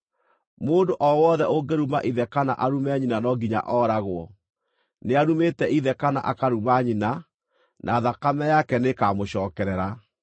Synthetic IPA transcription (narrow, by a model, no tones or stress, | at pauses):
moːndoʔɔwɔðɛʔoɡeɾuma̰ʔiðɛkana̰ʔaɾumɛɲinanɔɡiɲa̰ʔɔɾaɣwɔ | neaɾumetɛiðɛkana̰ʔakaɾumaɲina | nʔaːðakamɛjakɛnekamoɕɔːkɛɾɛɾa